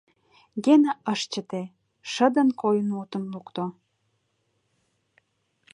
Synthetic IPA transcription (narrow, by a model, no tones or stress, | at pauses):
ɡenəəʃt͡ɕə̆t̪e | ʃə̆d̪ə̆nkojənut̪ə̆nlukt̪o